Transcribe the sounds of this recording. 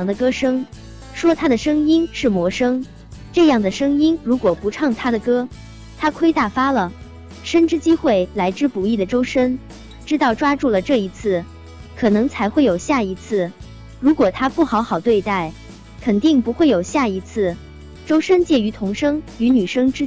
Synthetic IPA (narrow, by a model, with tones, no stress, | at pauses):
ŋd̪ə˧kɤ˥ʂɤ˥ŋ | ʂwɔ˥t̪ʰa˥d̪ə˨ʂɤ˥ŋi˥nʂɻ̩˥˩mwɔ˧˥ʂɤ˥ŋ | ʈ͡ʂɤ˥˧jɑ˥˩ŋd̪ə˩ʂɤ˥ŋi˥nɻu˧˥kwɔ˨˩pu˧˥ʈ͡ʂʰɑ˥˩ŋt̪ʰa˥d̪ə˨kɤ˥ | t̪ʰa˥kʰwe˥ɪt̪a˥˩fa˥lə˨˩ | ʂə˥nʈ͡ʂɻ̩˥t͡ɕi˥xwe˥˩ɪla˧˥ɪʈ͡ʂɻ̩˥pu˧˥i˥˩d̪ə˩ʈ͡ʂo˥ʊʂə˥n | ʈ͡ʂɻ̩˥t̪ɑ˥˩ʊʈ͡ʂwa˥ʈ͡ʂu˥˩lə˩ʈ͡ʂɤ˥˩i˧˥t͡sʰɹ̩˥˩ | kʰɤ˨˩nɤ˧˥ŋt͡sʰa˧˥ɪxwe˥˩ɪjo˨˩ʊɕja˥˩i˧˥t͡sʰɹ̩˥˩ | ɻu˧˥kwɔ˨˩t̪ʰa˥pu˥˩xɑ˧˥ʊxɑ˨˩ʊt̪we˥˧ɪt̪a˥˩ɪ | kʰə˨˩nt̪i˥˩ŋpu˧˥xwe˥˩ɪjo˨˩ʊɕja˥˩i˧˥t͡sʰɹ̩˥˩ | ʈ͡ʂo˥ʊʂə˥nt͡ɕjɛ˥˩y˧˥t̪ʰʊ˧˥ŋʂɤ˥ŋy˧˥ny˨˩ʂɤ˥ŋʈ͡ʂɻ̩˥